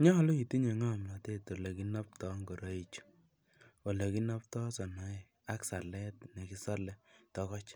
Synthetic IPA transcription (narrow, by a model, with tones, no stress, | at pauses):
ɲa˦a˨˦lo˦i˨ti˦ɲe˨ŋa˦˨ma˨te˦to˨le˨ki˦na˦p̚tɔ˦ŋɡɔ˨ɾa˨˦i˦t͡ʃu̥˦ | ɔ˨le˨ki˦na˦p̚tɔ˦sɔ˨na˨˦˨ | a˦ksa˨lɛ˦tne˨ki˦sa˦lɛ˦tɔ˨˦kɔ˦t͡ʃ